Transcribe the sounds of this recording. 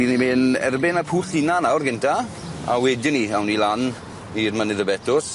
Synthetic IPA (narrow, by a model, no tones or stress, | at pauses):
inimeːnɛ̰rbɪnapʰuːɬɪnanawrɡɪntʰa | a̰wɛdɪniawnilan | irmənɪðəbɛtʰʊs